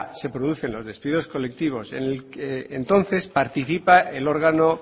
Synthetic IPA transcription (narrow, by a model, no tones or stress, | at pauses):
se̞pɾoðuθe̞nlo̞zðe̞spiðo̞sko̞le̞k̚t̪iβ̞o̞sḛneent̪õ̞nθe̞spaɾt̪iθipaelo̞ɾɣano̞